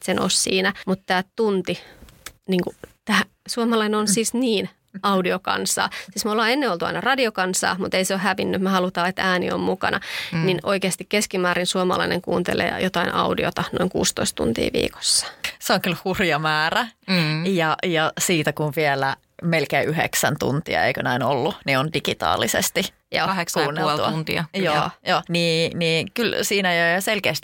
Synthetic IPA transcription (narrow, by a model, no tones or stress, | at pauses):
seno̰ussiːnæmut̪t̪æːt̪unt̪i | niːŋkut̪æː | suomɑlɑineonsiːsniːn | ɑudiokɑ̰nsɑ̰ːsiːsmolːɑːenːeolt̪uɑ̰inɑrɑdiokɑnsɑ̰ːmut̪eiseohhæʋinːymehɑlut̪ɑːet̪æːnḭo̰mmukɑ̰nʔɑninʔoikeɑst̪ikkeskimæːɾinsuomɑlɑ̰inḛŋkṵːnt̪ḛlḛːjot̪ɑinɑ̰udḭo̰t̪ɑno̰iŋkṵːst̪o̰ist̪ṵnt̪ḭːʋḭːko̥sːɑ̥seoŋkylhurjɑmæːræjɑjɑsiːt̪ækuʋʋielæ | melkeːʔyɦḛksænt̪ṵnt̪iɑ̰ḛikønæinolːuniondiɡit̪ɑ̰ːlisḛst̪i | jo̰ɑekskuːnːelluɑnt̪iɑ̰jo̰joːniːniːkylsiːnæjojɑselkeːst̪